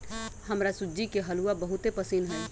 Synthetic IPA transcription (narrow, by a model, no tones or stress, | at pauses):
həmɾasuːd͡ʒikeɦəluabəɦut̪epəsinɦɛː